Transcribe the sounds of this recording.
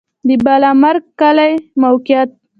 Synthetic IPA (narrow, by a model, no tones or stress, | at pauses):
d̪əbalamaɾɡ̚kalajmawkjat̪̚